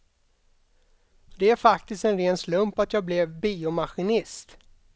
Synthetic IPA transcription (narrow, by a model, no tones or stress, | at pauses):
d̪ɛæɾfak̚t̪ɪst̪ɛnɾeːnslɵmpat̪jɑːɡblɛvbiːʊmaɧɪnɪst̪